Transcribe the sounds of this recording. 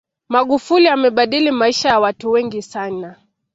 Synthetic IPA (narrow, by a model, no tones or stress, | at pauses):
maɠufuliamɛɓaɗilimaiʃajawatuwɛŋɡisana